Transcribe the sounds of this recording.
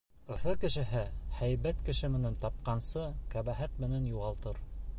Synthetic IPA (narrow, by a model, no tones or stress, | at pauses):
ɵ̆fɤkɘ̆ʃɘ̆ɦɘhæjbæt̪kɘ̆ʃɘmɘ̆nænt̪ɑp̚qɑnsɤkæβæɦæt̪̚mɘ̆nænjuʁɑlˠt̪ɤɾ